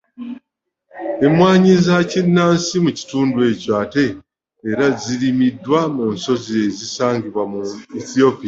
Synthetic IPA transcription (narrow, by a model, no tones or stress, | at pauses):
e̞mwaːɲizacinːaːnsimuci̥tuːndue̞ːcoate̞ː | ɾaziɾimidːwamuːnso̞ziezisaːɲɡiβwamueθio̞pia